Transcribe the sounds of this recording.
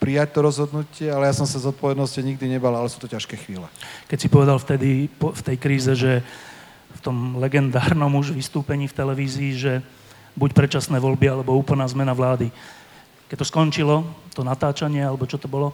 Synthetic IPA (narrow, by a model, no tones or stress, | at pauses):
pɾijac̚t̪ɔɾɔzɦɔd̪nucɪɛalɛjasɔmsazɔt̪̚pɔʋɛd̪nɔsciɲiɡ̚d̪iɲɛbalalɛsu̥ːt̪ɔcaʃkɛːxʋiːlɛkɛcsipɔʋɛd̪alft̪ɛd̪ipɔft̪ɛjkɾiːzɛʒɛ | ft̪ɔmlɛɡɛnd̪aːɾnɔmuʒʋist̪uːpɛɲiːft̪ɛlɛʋiːziːʒɛ | bucpɾɛt͡ʃasnɛːʋɔlbialɛbɔuːpl̩naːzmɛnaʋlaːd̪i | kɛc̚t̪ːɔskɔnt͡ʃilɔt̪ɔnat̪aːt͡ʃaɲɪɛalɛbɔt͡ʃɔt̪ɔbɔlɔ